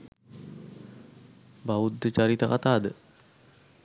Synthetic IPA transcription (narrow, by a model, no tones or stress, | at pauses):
baud̪ːət͡ɕaɾit̪akat̪aːd̪ə